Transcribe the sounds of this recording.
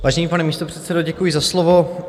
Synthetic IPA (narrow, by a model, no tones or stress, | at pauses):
vaːʒɛniːpanɛmiːst̪o̞pr̥ɛt̪t͡sɛdoɟɛkujizaslovo